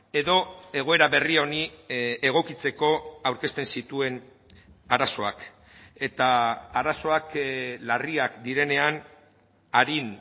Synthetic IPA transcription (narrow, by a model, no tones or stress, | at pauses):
e̞ðo̞e̞ɣ̞o̞e̞ɾaβe̞rio̞nieɣ̞o̞kit͡se̞ko̞awɾke̞st̪ensit̪ue̞n | aɾaso̞ak | e̞t̪aːɾaso̞aklariakd̪iɾe̞ne̞an | aɾin